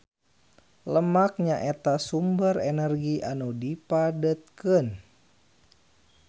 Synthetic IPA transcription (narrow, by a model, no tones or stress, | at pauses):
ləmak̚ɲaʔet̪asumbərɛnərɡiʔanudipadət̪̚kən